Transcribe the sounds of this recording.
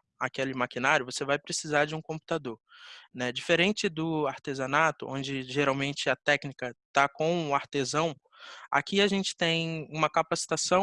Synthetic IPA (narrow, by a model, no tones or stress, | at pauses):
akelɪmakinaɾjʊvosevajpɾesizaɾd͡ʒɪũkõmpu̥t̪ad̪oɾnɛd͡ʒifeɾẽnt͡ʃɪd̪ʊaɾt̪ezɐ̃nat̪ʊʔõ̰d͡ʒɪʒeɾawmẽnt͡ʃɪɐt̪ɛknikɐt̪akõw̃aɾt̪ezɐ̃w̃ | a̰kiaʒẽnt͡ʃɪ̥t̪ẽj̃ũmɐkapasi̥t̪asɐ̃